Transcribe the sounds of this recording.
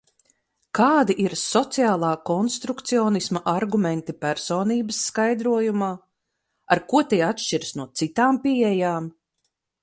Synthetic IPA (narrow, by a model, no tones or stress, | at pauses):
kaːd̪iʔiɾsɔt̪siaːlˠaːkɔnst̪ɾukt̪siɔːnismɐʔaɾɡumɛ̃nt̪ipæɾsoːniːbɐsːkajd̪ɾuɔjumaː | aɾkuɔt̪iːat̪ʃʲt͡ʃiɾsnuɔt̪sit̪aːmpiɛjaːm